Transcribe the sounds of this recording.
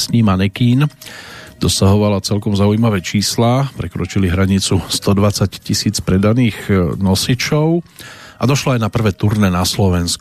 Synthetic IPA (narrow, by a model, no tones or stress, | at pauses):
sɲiːmanikiːn | d̪̥ɔsaɦɔʋalat͡sɛlkɔmzaujmaʋɛt͡ʃiːslaːpɾɛkɾɔt͡ʃiliɦɾaɲit͡sust̪ɔd̪ʋat͡saccisiːt͡spɾɛd̪aniːɣnɔsit͡ʃɔʊʔad̪ɔʃlɔajnapr̩ʋɛːt̪uɾnɛnaslɔʋɛnsku